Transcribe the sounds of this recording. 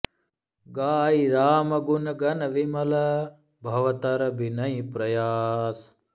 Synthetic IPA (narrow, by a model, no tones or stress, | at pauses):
ɡaːiɾaːmɐɡunɐɡɐnɐʋimɐlɐ | bʱɐʋɐt̪ɐɾɐbʱinɐĩpɾɐjaːs